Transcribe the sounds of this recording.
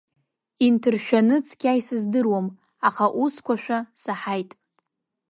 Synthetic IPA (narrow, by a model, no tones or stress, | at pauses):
intʰɨrʃᶣanɨt͡sʰʼɡʲajsɨzdɨrwam | aχaʔuskʷʰaʃᶣasaħajtʼ